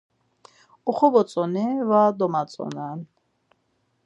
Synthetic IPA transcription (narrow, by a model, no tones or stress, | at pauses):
uχɔbɔt͡sʼɔnivad̪ɔmat͡sʼɔ̰nan